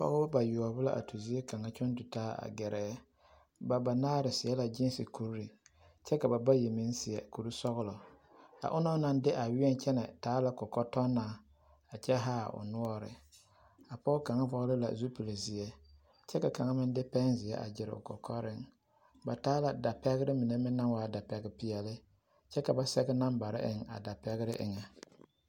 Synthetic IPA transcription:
pɔ̰˦ɣʊ˦bʊ˦ba˨ju˨ɔ˨bʊ˦la̰˦ʔa̰˨tu˨zɪ˦ɛ˦ka˨ŋa˦t͡ʃɔ˦n˦dʊ˨taː˦a̰˨ɡɛ˨ɾɛː˨˦ | ba˨ba˨naː˦ɾɪ˨sɪ˨ɛ˦la˨d͡ʒɪ˦n˦sɪ˨ku˦ɾɾi˨ | t͡ʃɛ˦ka˨ba˨ba˦je˨mɪ̃˦nsɪ˨ɛ˨ku˨ɾu˦sɔ˦ɣʊ˦lɔ˨ | a̰˨ʔʊ˦nɔ˦na˨n˦dɪ˦ʔa˨wɪ˦ɛ˦n˦t͡ʃɛ˦nɛ˨taː˨˦la˨kɔ˨kɔ˦tɔ˦nːaː˨˦˨ | a˨t͡ʃɛ˦ɦaː˦ʊ̰˨nʊ˦ɔ˦ɾɪ̰˨ | a˨pɔː˦ka˨ŋa˦vɔ˦ɣlɪ˦la̰˨zu˦pi˨le˨zɪ˨ɛ˦ | t͡ʃɛ˦ka˨ka˨ŋa˦mɪ˦n˦dɪ˦pɛ˦nzɪ˨ɛ˦ʔa̰˨d͡ʒɪ˨ɾɪ̰˨ʊ̰˨kɔ̰˨kʰɔ˦ɾɪ˦ŋ | ba˨taː˨˦la˨da˨pɛ˦ɣɪ˦ɾɪ˦mi˨ne˦mɪ˦nːa˦nwaː˨˦da˨pɛ˦ɡɪ˦pɪ˨ɛ˨lɪ˦ | t͡ʃɛ˦ka˨ba˦sɛ˦ɡɛ˦na˦mba˨ɾɪ̰˦ʔɪ˨ŋa̰˨da˨pɛ˦ɣɪ˦ɾɪ˦ʔɪ̰˨ŋɛ˨

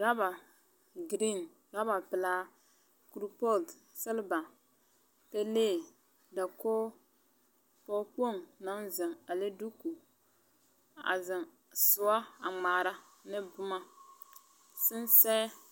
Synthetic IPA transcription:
ɾa˦ba˨ | ɡɾi˦˨n | ɡa˦ba˨pɪ˨laː˦ | ku˨ɾu˦po˦lt | sɨ˦lba˨ | pe˦leː˦˨ | da˨koː˦ | pɔ˦k͡po˦˨ŋna˦nzɨ˨ŋa˨le˦du˦ku˨ | a̰˨zɪ˨ŋ | sʊ˨˦a˦a˨ŋ͡ma˨ɾa˦ | nɨ˦bʊ˦ma˦ | sɨ˦nsɛː˦

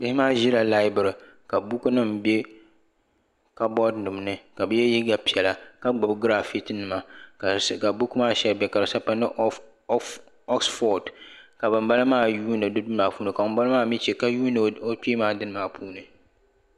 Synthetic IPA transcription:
bɪ˦hɪ˦maː˦ʒi˦ɾa˨la˦ɪ˦bɨ˨ɾɨ˨ | ka˨bu˦ku˦nɨ˦mbe˦ | ka˦bɔ˦dnɨ˨m˨nɨ˦ka˨bɨ˦jɛ˦ji˦ɡa˦pi˨ɛ˨la˨ka˦ɡ͡bʊ˨bɡɾa˦fi˦tɨ˦nɨ˨ma˨ | ka˨bu˦ku˦maː˦ʃɛ˦lbɛ˦ka˨ɾsa˦pa˦nɨ˦ | ɔ˦ksfɔ˨dka˨bɨ˨mba˦lɨ˦maː˦˨juː˦nɨ˨dɨ˦dɨ˦maː˨puː˦nɨ˨ka˨bo˨m˦ba˦lɨ˦maː˦mi˦t͡ʃɛ˨ka˦juː˦n˨o˦piː˦maː˦dɨ˦nɨ˦maː˦˨pʰuː˦nɨ˨

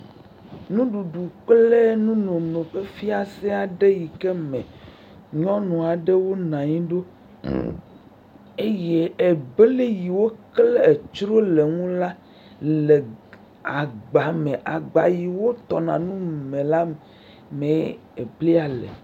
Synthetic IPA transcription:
nũ˦ɖu˨ɖu˨k͡ple˦nũ˦nõ˨nõ˨ɸe˦fi˦a˨sɛ˦a˨ɖe˦ji˨ke˦mɛ̰̃˨ | ɲɔ̃˦nɔ̃˨a˨ɖe˦wo˦nã˨ɲĩ˦ɖo˦ | e˦je˦e˨be˦le˦ji˨wo˦kle˦e˨t͡ʃɾo˦le˨ŋũ˦la˦ | le˨ | a˨ɡ͡ba˨mẽ˨ʔa˨ɡ͡ba˨ji˨wo˦t̪ɔ˨nã˨nũ˦mẽ˨la˦m˨ | mẽ˨ | e˨bli˦a˨lḛ˨

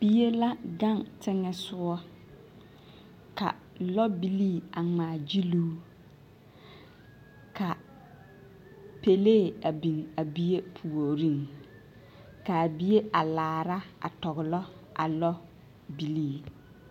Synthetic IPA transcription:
b̥i˦je˦la˦ɡa˦˨ŋtɪ˦ŋɛ˦sʊ˦ɔ˦ | ka̰˨ | lɔ˦bi˦liː˦˨a˨ŋ͡maː˨d͡ʒi˦luː˦ | ka˨ | pe˨leː˦˨a˨bi˨ŋa˨bi˦je˦pʰu˨o˨ɾi˦ŋ | ka˨bi˦je˦ʔa˨laː˨ɾa˦a̰˨tɔ˨ɣʊ˨lɔ˦a̰˨lɔ˦ | bi˦liː˦˨

